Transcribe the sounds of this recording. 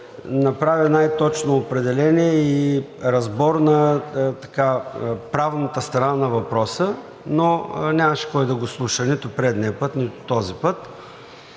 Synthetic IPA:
nɐpɾavʲinajt̪ɔt͡ʃnoːpɾɛd̪ɛlɛniɛiɾɐzbɔɾnɐt̪ɐ̥kapɾavnɐt̪əst̪ɾɐnanɐvɐpɾɔsə | nonʲamɐʃɛ̥kɔjd̪ɐɡʊslˠuʃənit̪ʊpɾɛd̪nɛpət̪nit̪ʊ̥t̪ɔzipət̪

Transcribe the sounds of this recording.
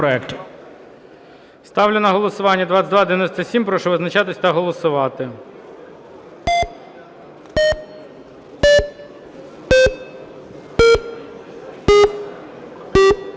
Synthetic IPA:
ɔɛkt̪ʊ | st̪ɑwlʲʊnɐɦɔlˠɔsʊʋɑnʲːɐd̪ʋɑt̪sʲɐtʲd̪ʋɑd̪einɔsʲt̪ɐsʲimpɾɔʃɔʋɪznɐt͡ʃɑt̪ɪsʲɐt̪ɐɦɔlˠɔsʊʋɑt̪ɪ

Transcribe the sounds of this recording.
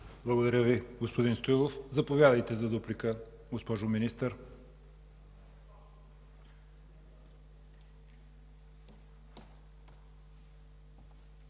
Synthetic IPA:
blˠɐɡod̪ɐɾʲəviɡospod̪inst̪ojlˠofzɐpovjad̪əjt̪ɛzɐd̪uplikə | ɡospɔʒominist̪əɾ

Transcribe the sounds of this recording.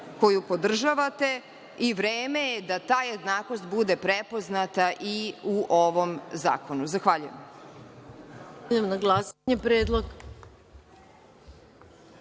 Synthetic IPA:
ko̞jupo̞d̪r̩ʒaʋat̪e̞ | iʋɾeːme̞jed̪at̪aːje̞d̪naːkost̪bud̪e̞pɾepo̞znat̪aʔiuʔoʋo̞mza̰ːko̞nuzaxʋaːʎujḛm | emnaɡlasaɲepɾeːd̪lˠoɡ

